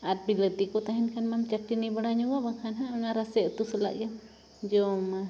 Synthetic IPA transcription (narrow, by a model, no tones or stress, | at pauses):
at̪̚bilət̪ikɔt̪aɦinkanmamt͡ʃaʈːinibaɽaɲɔwabaŋkʰanɦaʔŋaɾasɛʔt̪usula̰ʔjam | d͡ʒɔma